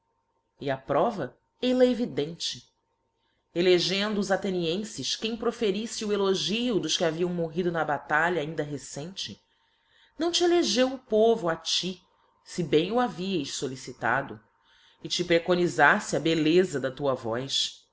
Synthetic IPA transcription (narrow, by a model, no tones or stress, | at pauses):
ɪapɾɔvɐ | elɛevid̪ẽnt͡ʃɪ | eleʒẽnd̪ʊːzat̪eniẽsɪʃkẽj̃pɾofeɾisɪueloʒiʊd̪ʊʃkʲaviɐ̃w̃moɦid̪ʊnɐbat̪aʎɐːĩnd̪ɐɦesẽt͡ʃɪ | nɐ̃w̃t͡ʃɪeleʒewʊpovʊat͡ʃi | sibẽj̃ʊaviɐjʃsolisit̪a̰d̪ʊ | ɪt͡ʃipɾekonizasɪɐbelezɐd̪ɐt̪uɐvɔjs